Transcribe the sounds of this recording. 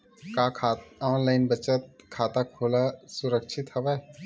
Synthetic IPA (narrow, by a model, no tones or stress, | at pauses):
kaːkʰaɔːnlaːɪnbət͡ʃət̪̚kʰaːt̪akʰoːlasʊɾəkʃʰɪt̪hɐʋɛː